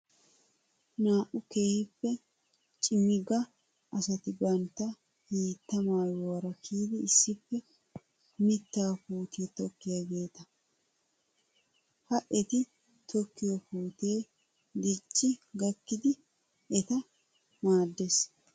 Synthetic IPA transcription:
naːʔʊkeːhɪpːɛ | t͡ʃʼɪmːɪɡɐ | ʔɐsɐt̪ɪbɐnt̪ːɐ | hiːt̪ːɐmaːjɔwɐɾɐkiːd̪ɪɪsːɪpːɛ | mɪt̪ːaːfuːt̪ʰe̞ːt̪ɔkːɪjaɡe̞ːt̪ɐ | hɐʔɛt̪ɪ | t̪ʰɔkːɪjɔpuːt̪e̞ː | d̪ɪt͡ʃʼːɪɡɐkːɪd̪ɪ | ɛt̪ɐ | maːd̪ːes

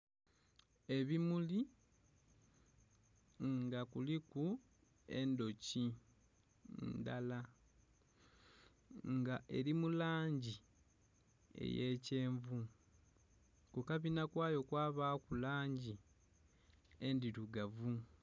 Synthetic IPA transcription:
e̞βimuli | ŋɡakuliku | e̞̰ndo̞ci | ndala | ŋɡaʔe̞ɾimulaːɲɟi | e̞̰je̞ːce̞ːɱvu | kukaβinakwaːjo̞kwaːβaːkulaːɲɟi | endiɾuɡavu

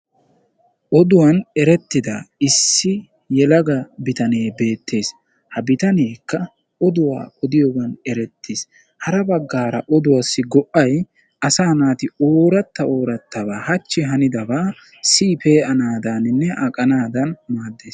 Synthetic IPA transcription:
ʔɔd̪ʊwɐnɛɾɛt̪ːɪd̪ɐ̰ɪsːɪ | jɛlɐɡɐbɪt̪ɐneːbe̞ːt̪ːe̞ːs | hɐbɪt̪ɐneːkːɐ | ʔɔd̪ʊwa̰ːɔd̪ɪjɔɡɐnɛɾɛt̪ʰːes | hɐɾɐbɐɡːaːɾɐʔɔd̪ʊwɐsːɪɡɔʔɐj | ɐsaːnaːt̪ɪoːɾɐt̪ːɐo̞ːɾɐt̪ːɐbaːhɐt͡ʃːɪɦɐnɪd̪ɐbaː | siːpeːʔɐnaːd̪anɪnːɛʔɐkʼɐnaːd̪ɐnmaːd̪ːe̞ːs

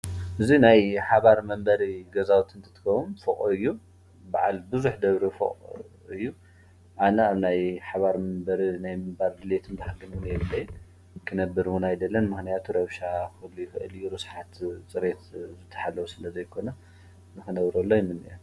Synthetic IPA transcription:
ʔɨzinajħaβaɾmɐmbɐɾiɡɐzawut̪ʰɨnt̪ʰɐ̥t̪ʰɨ̥kɐwumfɨkʼuɨjːu | baʕa̰lbɨzuħd̪ɐβɾifɨ̰qʼ | ɨjːu | ʔanɐaβnajħaβaɾmɐmbɐɾinajmɨmbald̪ɨlet̪ʰɨnbaħɡɨnwʊnjɛβɨlːɐjːɨn | kʰɨnɐbːɨɾwunajd̪ɐlːɐnmɨxnijat̪ʰuɾɐβʃaxɨlːujɪxʔɨ̰lɨjːuɾɨsħat̪t͡sʼɨɾet̪zɨt̪ʰːɐ̥ħalːɐwusɨlɐzɐjkʰo̞nɐ | nɨkɨnɐβɾolːojɪnːɨnɨ̰ʔom

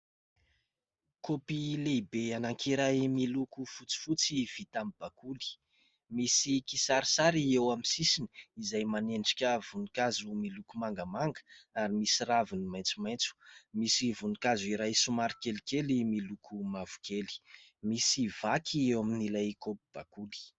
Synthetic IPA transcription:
kopilebeanaŋkʰiɾajmilukufut͡si̥fut͡siv̥it̪amb̥akuli̥ | misikisaɾisaɾiewaminsisini̥izajmaneɳɖ͡ʐi̥kʲəvunikazumilukumaŋɡəmaŋɡə̥aɾimisiravinimajnt͡sumajnt͡su̥misivunikazuiɾajsumaɾikelikelimilukʰumavu̥kʰeli̥misivakʰiewaminilajkopib̥akuli̥

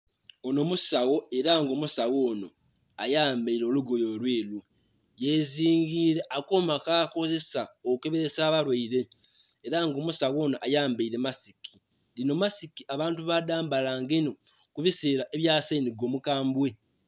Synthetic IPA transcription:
ono̞musawo̞e̞ɾaŋɡo̞musawo̞ːno̞ | ajaːmbeiɾoluɡo̞jo̞lweːlu | je̞ziːŋɡiːɾe̞ʔakomakaːko̞ze̞saokukeβeɾesaːβaɾwaiɾe̞ | eɾaŋɡo̞ːmusawo̞ːnaʔajaːmbeiɾe̞masikʰi | lino̞masikiʔaβaːntuβadaːmbalaːŋɡeino̞ | kuβiseːɾaʔe̞βjaːseniɡoːmukaːmbwe̞

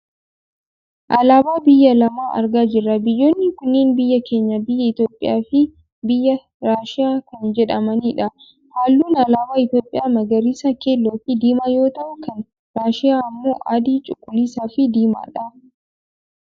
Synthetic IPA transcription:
ʔɐlaːbaːbɪjːɐlɐmaːʔɐ̰ɾɡaːd͡ʒɪrːɐbɪjːo̞ːnːɪkʊnːɪːnbɪjːɐkeːɲːɐbɪjːɐɪt̪joːpʼːɪ̰jaːfɪ | bɪjːɐ | ɾaːʃɪjaːkɐnd͡ʒɛᶑɐmɐniːᶑɐ | haːlːuːnɐlaːbaːɪt̪joːpʼɪjaːmɐɡɐɾiːsakeːlːoːfɪd̪iːmajo̞ːt̪ɐʔʊkɐn | ɾaːʃɪaːɪmːoːʔad̪iːt͡ʃʼʊkʼːʊliːsaːfɪd̪iːma̰ːᶑɐ

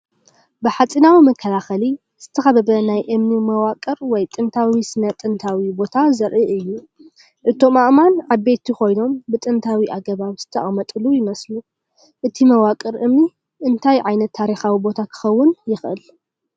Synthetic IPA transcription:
bɨħat͡sʼinawimɐkʰːɐlaxɐli | z̥ɨt̪ʰːɐxɐβɐbɐnajʔɨmnimɐwakʼɨɾwɔjt̪ʼɨnt̪ʰawisɨnɐt̪ʼɨnt̪ʰawibo̞t̪ʰazɐɾʔiʔɨjːu | ʔɨt̪ʰo̞maʔmanʕaβːet̪ʰiko̞jno̞mbɨt̪ʼɨnt̪ʰawiʔaɡɐβaβz̥ɨ̥t̪ʰɐ̰ʔʼmɐt̪ʼɨlujɪmɐslu | ʔɨt̪ʰimɐwakʼɨɾʔɨmni | ʔɨnt̪ʰajʕajnɐt̪ʰːaɾixawibo̞t̪ʰakʰɨ̥xɐwːʊnjɪxʔɨ̰l

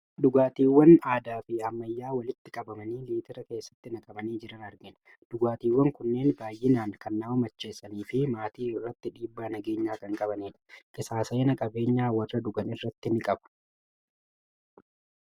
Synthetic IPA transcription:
d̪ʊɡaːt̪iːwːɐnaːd̪aːfɪhɐmːɐjːaːwɐlɪt̪ːɪkʼɐbɐmɐniːliːt̪ɪɾɐke̞ːsːɐ̥t̪ːɪnɐkʼɐbɐniːd͡ʒɪɾɐnɐɾɡɪn | d̪̥ʊɡaːt̪iːwːɐŋkʊnːe̞ːnbaːjːɪnaːnkɐnːaːwmɐt͡ʃːe̞ːsːɐniːfɪmaːt̪iːɪrːɐt̪ːɪᶑiːbːaːnɐɡe̞ːɲːaːkɐŋkʼɐbɐneːᶑɐ̥kʼɪsaːsɐɪnɐkʼɐbe̞ːɲːaːwɐrːɐd̪ʊɡɐnɪrːɐt̪ːɪnɪkʼɐbɐ̥

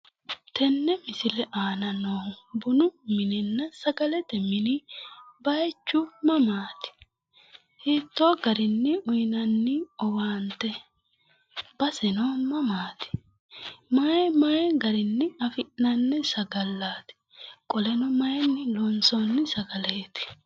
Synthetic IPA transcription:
t̪ʰɛnːɛmɪsɪlɛʔaːnɐnoːbʊnʊmɪnɛnːɐsɐɡɐlɛt̪ɛmɪnɪbɐjt͡ʃːʊmɐmaːt̪ɪ̥ | hiːt̪ːoːɡɐɾɪnːɪʊjnɐnːɪɔwaːnt̪ɛ | b̥ɐsɛnoːmɐmaːt̪ɪ̥ | mɐɛmɐjɛɡɐɾɪnːɪɐfɪʔnɐnːɛsɐɡɐlːaːt̪ɪ̥ | kʼɔlɛnɔmɐjɛnːɪlɔnsoːnːɪsɐɡɐleːt̪ɪ̥

